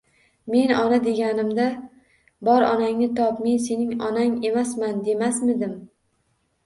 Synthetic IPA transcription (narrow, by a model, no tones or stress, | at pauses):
me̞nɒnad̪e̞ɡʲanɪmd̪a | bɒɾɒnaŋnɪt̪ʰɒpmense̞nɪŋɒnaŋe̞masmand̪e̞masmɪd̪ɪm